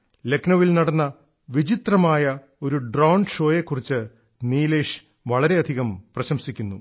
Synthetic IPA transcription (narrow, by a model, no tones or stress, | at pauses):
le̞knɐʋilnɐɽɐnːɐ | ʋid͡ʑit̪rɐmaːjɐ | o̞ɾuɖraːwɳʂo̞ːje̞kːurit͡ɕːɨ | niːle̞ːʂ | ʋɐɭɐɾe̞ɐd̪ʱiɣɐmprɐɕɐmsikʲːunːṵ